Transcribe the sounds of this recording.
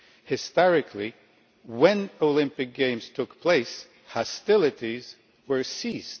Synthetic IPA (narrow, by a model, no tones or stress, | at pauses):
hɨstɑɹɨkʰli | wɛ̃noʊlɪ̃mpɨk̚ɡ̥ẽɪ̃mz̥tʰʊkpʰl̥eɪs | hɑstɪlˠɨɾiz | wə˞sist